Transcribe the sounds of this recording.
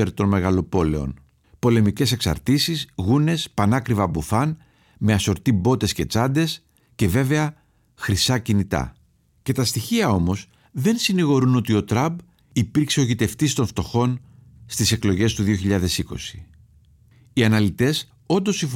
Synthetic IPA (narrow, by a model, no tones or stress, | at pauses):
eɾt̪o̞nme̞ɣɐlo̞po̞le̞o̞̰n | po̞le̞mice̞se̞ksɐ̰ɾt̪isizɣune̞spɐnɐkɾivɐbufɐn | me̞ɐso̞ɾt̪ibo̞t̪e̞sce̞t͡sɐnd̪e̞s | ce̞ve̞ve̞ɐ | xɾisɐcinit̪ɐ̰ | ce̞t̪ɐst̪içiɐo̞mo̞s | ðe̞nsiniɣo̞ɾuno̞t̪io̞t̪ɾɐmb | ipiɾkseo̞ʝit̪e̞ft̪ist̪o̞nft̪o̞xo̞n | st̪ise̞klo̞ʝe̞st̪uðio̞çiʎɐðe̞siko̞̰si̥ | iɐnɐlit̪e̞s | o̞nd̪o̞siɱf